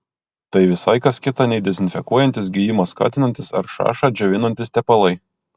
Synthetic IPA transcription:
t̪ɐɪʋʲɪsɐɪkɐskʲɪt̪ɑnʲɛɪd̪ʲɛzʲɪnʲfʲɛkuɔjɛnʲt̪ʲɪsɡʲijɪmɐskɑ̰ːt̪ʲɪnɐnʲt̪ʲɪsɐɾʃɑ̰ːʃɑːd͡ʒʲoʋʲɪnɐnʲt̪ʲɪst̪ʲɛpɐlˠɐɪ

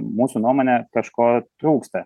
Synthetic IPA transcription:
muːsunuɔmoːnʲɛkɐʃkoːt̪ɾuːkst̪ɐ

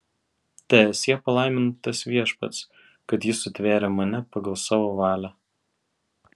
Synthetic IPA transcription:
t̪ʲɛɛsʲjiɛpɐlˠɑˑɪmʲɪnt̪ɐsʋʲiɛʃpɐ̰t̪s | kɐt̪jɪsʊt̪ʲʋʲæːɾʲɛːmɐnʲɛpɐɡɐlˠsɑːʋoːʋɑːlʲæ

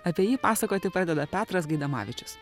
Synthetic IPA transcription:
ɐpʲiɛjiːpɑːsɐkoːt̪ʲɪpɾɑd̪ʲɛd̪ɐpʲæːt̪ɾɐsɡɐɪd̪ɐmɑ̰ːʋʲɪt͡ʃʲʊ̥s

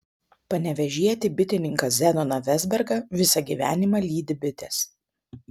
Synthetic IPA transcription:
pɐnʲɛʋʲɛʒʲiɛt̪ʲɪbʲɪt̪ʲɪnʲɪŋkɐsʲzʲɛnɔnɐʋʲɛzʲbʲɛɾɡɐʋʲɪsɐɡʲiːʋʲæ̰ːnʲɪmɐlʲiːd̪ʲɪbʲɪt̪ʲes

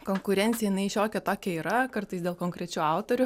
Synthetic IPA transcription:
koːŋkʊɾʲɛnʲt̪ʲɪjɛjɪnɐɪʃʲoːkʲɛt̪oːkʲɛiːɾɐkɐrt̪ɐɪsdʲeːlˠkoːŋkɾʲɛt͡ʃʲuːɑʊt̪oɾʲʊ

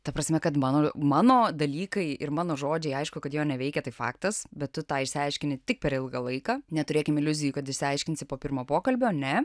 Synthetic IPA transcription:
t̪ɐpɾɐsʲmʲɛkɐt̪mɑːnoːmɑːnoːd̪ɐlʲiːkɐɪɪɾmɑːnoːʒoːd͡ʒʲɛɪɐɪʃkʊkɐt̪joːnʲɛʋʲɛɪkʲɛt̪ɐɪfɑ̰ːkt̪ɐsbʲɛt̪tʊt̪ɑːɪʃʲsʲɪɐɪʃʲkʲɪnʲɪt̪ʲɪk̚pʲɛɾɪlˠɡɐlˠɐɪkɑːnʲɛt̪ʊɾʲeːkʲɪmɪlʲʊzʲɪjuːkɐt̪ɪʃʲsʲɪɐɪʃʲkʲɪnʲsʲɪpoːpʲɪrmoːpoːkɐlʲbʲonʲɛ

